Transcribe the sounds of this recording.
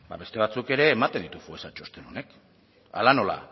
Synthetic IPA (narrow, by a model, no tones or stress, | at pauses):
ba̰be̞st̪e̞β̞at͡suke̞ɾe̞ːmat̪end̪it̪ufuesat͡ʃo̞st̪enone̞k | a̰lano̞la̰